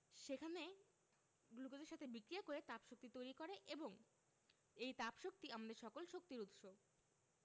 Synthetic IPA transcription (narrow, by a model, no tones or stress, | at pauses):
ʃekʰane | ɡlukod͡ʑeɾʃat̪ʰebikɾijakoɾet̪apʃok̚t̪it̪ojɾikoɾeʔeboŋ | ejt̪apʃok̚t̪iamad̪eɾʃɔkolʃok̚t̪iɾut̪ʃo